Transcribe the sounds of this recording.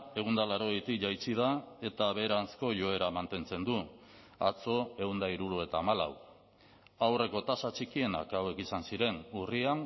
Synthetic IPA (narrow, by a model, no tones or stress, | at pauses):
e̞ɣ̞und̪alaɾo̞ɣejt̪ikʝajt͡sið̞ae̞t̪aβe̞ːɾansko̞ʝo̞e̞ɾamant̪e̞nt͡se̞nd̪u | at͡so̞e̞ɣund̪aiɾuɾue̞t̪aːmala̰w | awre̞ko̞t̪asat͡ʃikie̞na̰kawe̞kisansiɾe̞nurian